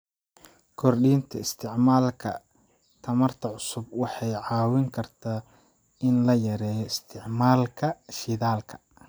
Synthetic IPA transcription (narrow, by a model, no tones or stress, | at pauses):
kʰɔrɖiːnt̪ʰɐɪst̪ʰɪʕmaːlkʰɐ | t̪ʰɐmɐrt̪ʰɐʕʊsʊbwɑħɑjʕɑːwɪŋkʰɐrt̪ʰaː | ɪnlɐjɐɾɛːjɔɪst̪ʰɪʕmaːlkʰɐʃɪðaːlkʰɐ̥